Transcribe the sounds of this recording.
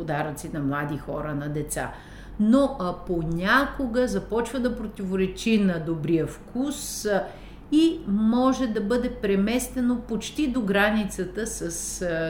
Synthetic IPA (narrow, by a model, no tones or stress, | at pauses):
od̪aɾət̪sinɐmlˠad̪ixɔ̰ɾənɐd̪ɛt̪sa̰ | noponʲakoɡəzɐpɔt͡ʃvəd̪ɐpɾot̪ivoɾɛt͡ʃinɐd̪obɾijəfkus | imɔʒɛd̪ɐbɤd̪ɛpɾɛmɛst̪ɛnopot͡ʃt̪id̪oɡɾanit̪sət̪əsəs